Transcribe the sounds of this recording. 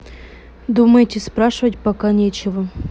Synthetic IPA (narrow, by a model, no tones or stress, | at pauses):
d̪uməjtʲɪspɾaʂɨvətʲpakanʲet͡ɕɪvə